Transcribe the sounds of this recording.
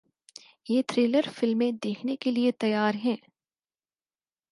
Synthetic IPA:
jeːt̪ʰɾeːləɾfɪlmẽd̪eːkʰnekeliet̪ɐjaːɾɦɛː

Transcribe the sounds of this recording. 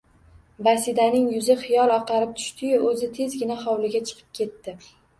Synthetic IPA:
basɪd̪anɪŋjʊzɪχɪjɒlˠɒqɑɾɪp̚t̪ʰʊ̥ʃt̪ʰɪjʊʔɵzɪt̪ʰe̞zɡʲɪnaχɒwlɪɡʲat͡ʃʰɨ̥qʰɨ̥p̚kʲʰe̞t̪ːɪ

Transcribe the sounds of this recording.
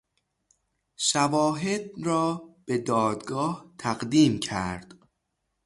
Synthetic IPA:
ʃævɒːɦed̪̚ɾɒːb̥e̞d̪ɒːd̪ɡɒːht̪ʰæɣd̪iːmcʰæɾd̪̥

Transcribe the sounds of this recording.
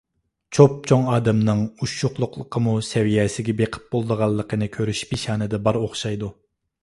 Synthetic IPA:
t͡ʃʰop̚t͡ʃʰoŋɑːd̪ɛmnɨŋuʃʊχlˠʊqlˠəqʰəmusɛwijɛsɪɡʲɛbeqʰə̥p̚bolˠd̪əʁɑlˠːəqʰənɨkʲʰøɾyʃpiʃɑːnɨd̪ɛbɑɾoχʃɑjd̪u

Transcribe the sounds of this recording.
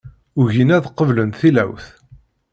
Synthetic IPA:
ʊʝinæðqːəvlənθilæ̰wθ

